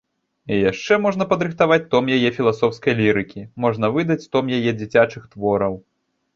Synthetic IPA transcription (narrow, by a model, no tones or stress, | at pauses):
ijaʂt͡ʂɛmɔʐn̪ɐpɐd̪ɾɨxt̪avat͡sʲt̪ɔmjajɛfʲilˠasɔwskɐjlʲiɾɨkʲimɔʐn̪ɐvɨd̪ɐt͡sʲt̪ɔmjajɛd͡zʲit͡sʲat͡ʂɨxt̪vɔɾɐw